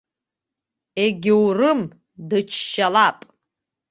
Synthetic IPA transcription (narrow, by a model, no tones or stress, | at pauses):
eɡʲɪwrɨm | dɨt͡ʃʰʃalapʼ